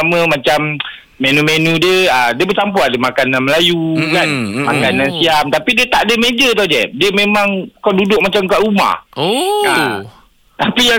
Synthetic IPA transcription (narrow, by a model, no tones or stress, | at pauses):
amə̃mat͡ʃamː | enumenũdiəədiəbəsampuadəmakananməlajukanmakanãnsiamt̪apidiət̪aʔdəmed͡ʒət̪awdɛdiəmemãŋkɔdudʊk̚mat͡ʃamkaʔuma̰hoa | t̪apija